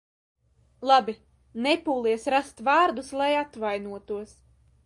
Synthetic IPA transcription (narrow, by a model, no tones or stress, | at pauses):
lˠabʲi | nɛpuːlˠiɛsɾast̪vaːɾd̪uslˠajat̪vajnuɔt̪uɔs